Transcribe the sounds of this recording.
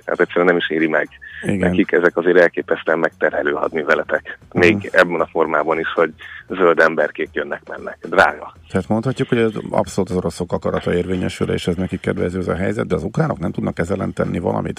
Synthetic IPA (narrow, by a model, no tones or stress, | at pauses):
t̪ha̰ːt̪ɛc̪ʲsːɛɾɛnɛmiʃiːɾimɛɡiɡ̪ɛ̰nkikɛzɛkɒzeːɾɛlkeːpɛst̪ɛmmɛk̚t̪ɛrhɛløːɦɒ̰d̪nivɛlɛt̪ɛkmeːɡɛbːɛnɒfo̞rmaːbɒniʃho̞ɟzøld̪ɛmbɛrkeːk̪jønːɛkmɛnːɛkd̪ra̰ːɡɒt̪ɛɦaːt̪mo̞nt̪hɒcːukho̞ɟɛzɒ̰psoluːt̪ɒzo̞ɾo̞so̞kɒkɒɾɒt̪ɒeːrveːɲɛʃyleːʃɛznɛkikːɛd̪vɛzøːɛzɒ̰ɦɛjzɛd̪̚d̪ɛɒzukraːno̞knɛmt̪ud̪nɒkːɛzɛlɛnt̪ɛnːivɒ̰lɒ̰mḭt̪